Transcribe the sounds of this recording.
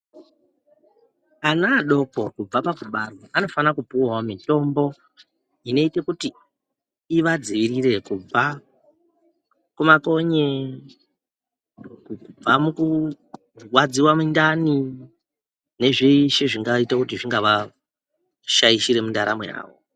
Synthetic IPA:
anaːɗo̞ko̞kub͡vapakuɓaroano̞fanakupuwamito̞mbo̞ | ino̞ite̞kutiː | ʋad͡ziʋiɾiɾe̞kub͡va | kumako̞ɲe | ub͡vamuku | wad͡ziwamundani | ne̞ʐeiʃe̞ʐiŋɡaitakutiʐiŋɡaʋa | ʃajiʃiɾe̞mundaɾa̰mea̰ːwo̰

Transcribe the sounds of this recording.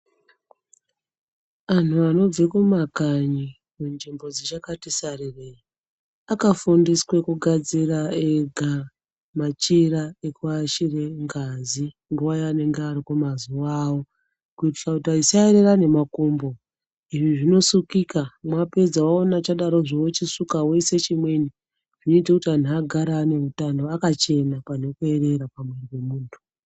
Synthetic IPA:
an̤uano̞b͡vekumakaɲi | mund͡ʒimbo̞d͡zet͡ʃakatisarereri | akafundiswe̞kuɡʱad͡ziɾaeɡʱa | mat͡ʃiɾaekuaʃire̞ŋɡazi | ŋɡuʋajoane̞ŋɡearikumazuʋaːwo̞ | kuitisakutaisaeɾe̞rane̞makombo̞ | iʐiʐino̞sukikamwape̞d͡zawaonat͡ʃaɗaɾo̞ʐiwot͡ʃisukawe̞set͡ʃimwe̞ni | ʐ̥ino̞itakutian̤iaɡʱaɾane̞utano̞akat͡ʃe̞napane̞kue̞re̞ɾapamwe̞riwe̞muːntʰu̥

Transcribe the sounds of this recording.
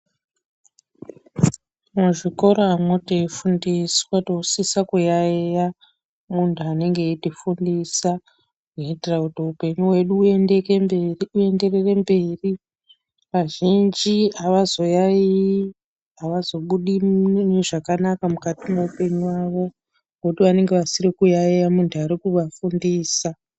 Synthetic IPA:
muʐiko̞ɾo̞amoteifundiswatousisakujaeja | muntʰuane̞ŋɡe̞itifundisa | witerakutiupe̞ɲuwe̞ɗuekue̞nde̞re̞re̞mbe̞ːri | ʋaʒind͡ʒiaʋazo̞jai | aʋazo̞ɓuɗimneʐakanakamukatimoupe̞ɲiwaʋo̞ | ŋɡokutiʋane̞ŋɡeʋasirikujaejamuntʰuaɾikuʋafundiːsa

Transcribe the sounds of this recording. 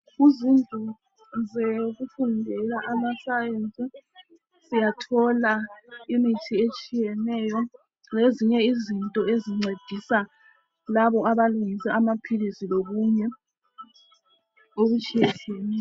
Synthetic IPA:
ɣuzintʼu | zeɣufundʱɛlaʔamasajent͡sʼi | sijatʰɔlaimitʰiet͡ʃʼijɛnɛːjɔ | leziɲɛizintʼɔeziŋ͡ǀed̥ʱisa | laβɔaβaluŋisɛamapʰilisiloɣuɲɛ | oɣut͡ʃʼijɛtʰenɛ

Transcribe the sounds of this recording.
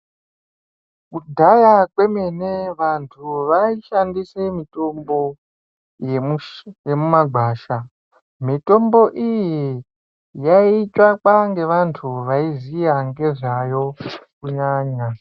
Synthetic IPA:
kudʱajakwe̞meneʋantʰuʋaiʃandise̞mito̞mbo̞ | j | jemumaɡʱaːʃa | mito̞mbo̞ʔiji | jait͡ʃakwaŋɡe̞ʋantʰuʋaizijaŋɡe̞ʐajo̞kuɲaːɲa

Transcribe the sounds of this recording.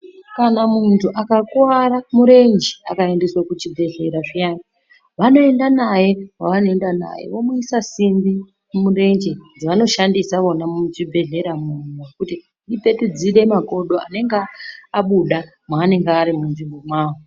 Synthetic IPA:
kanamuntʰuʔakakwaɾamuɾe̞nd͡ʒea̰kae̞ndeswakut͡ʃibʱe̞ɮe̞ɾaʐijaːna | ʋano̞e̞ndanaje̞kaʋanoe̞ndana̰jḛʋo̞muisasimbi | umure̞nd͡ʒind͡ziʋano̞ʃandisaʋonamut͡ʃibʱe̞ɮe̞ɾamun̤uuakuti | ɗipe̞tud͡ziɗe̞mako̞ɗo̞a̰ne̞ŋɡaaɓuɗa | mwaːne̞ŋɡeaɾimunʐimbo̞mwaːʋo

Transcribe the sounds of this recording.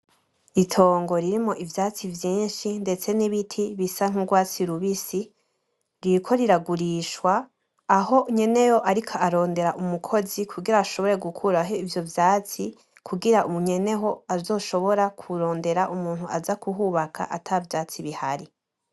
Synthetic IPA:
itʰo̞ːŋɡo̞ɾiɾimoʔivjaːt͡sivjiːnʃinde̞t͡se̞niβitʰiβisaŋ̥uɡwaːt͡siɾuβisi | ɾiɾkʰo̞ɾiɾaɡuɾiːʃwaː | ɦo̞ɲe̞ne̞jo̞ʔaɾikʰaaɾo̞ːnde̞ɾaʔumukʰo̞zikʰuɡiɾaːʃo̞βo̞ɾe̞ɡukʰuɾaɦo̞ivjo̞vjaːt͡si | kʰuɡiɾaʔumuɲe̞ne̞ɦo̞azo̞ːʃo̞βo̞ɾakʰuɾo̞ːnde̞ɾaʔumuːn̥huazakuɦuːβakʰa̰ʔatʰavjaːt͡siβiha̰ɾi

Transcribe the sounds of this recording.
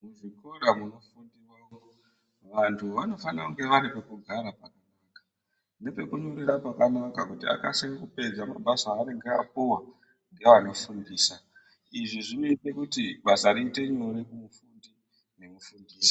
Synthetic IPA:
muʐiko̞ɗamunofundiwaːʋo | ʋantʰuʋano̞fanakuŋɡe̞ʋaɾipekuɡʱaɾapakanaːkḁ | ne̞pe̞kuɲuɾirapakanakakutia̰kasekupe̞d͡zama̰bʱasaːɾeŋɡea̰p̚uwa | ŋɡe̞ʋano̞fundiːsa | iʐiʐinoite̞kutiɓasaɾiːte̞ɲoɾekumufundi | ne̞mufundiːsḁ

